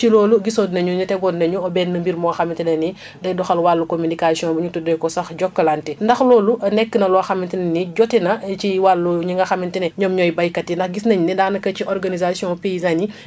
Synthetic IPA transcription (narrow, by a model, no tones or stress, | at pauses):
t͡ʃilɔːluɡisɔdnɐɲuɲutɛɡɔdnɐɲuɔbɛːnːɐmbiɾmɔxɐmintinɐni | dɐjdɔxɐlwalːukominikasiɔ̃buɲutudɔjkɔsɐxɟɔkːɐlantɛndɐxlɔːluɐnɛkːənɐlɔɐxɐmintinɐniɟɔtɛnɐt͡ʃiwalːuɲiŋɡɐxɐmintinɛɲɔmɲɔjbɐjkɐtindɐxɡisnɐɲunɛdaːnɐkɐt͡ʃiʔɔrɡanizasiɔ̃pejizani